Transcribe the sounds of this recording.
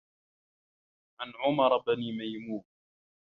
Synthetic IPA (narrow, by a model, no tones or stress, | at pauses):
ʕanʕʊmɑɾˤbaniːmajmuːn